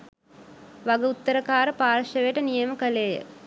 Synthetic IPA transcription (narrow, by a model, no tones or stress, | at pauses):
ʋaɡəut̪ːəɾəkaːɾəpaːrʃəʋeʈənijəməkəleːjə̰